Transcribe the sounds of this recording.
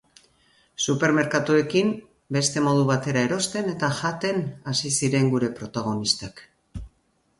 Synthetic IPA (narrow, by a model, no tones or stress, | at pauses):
supe̞ɾme̞ɾkat̪ue̞kim | be̞st̪e̞mo̞ð̞uβ̞at̪e̞ɾae̞ɾo̞st̪e̞ne̞t̪aʝat̪e̞nasisiɾe̞ŋɡuɾe̞pɾo̞t̪aɣ̞o̞nist̪ak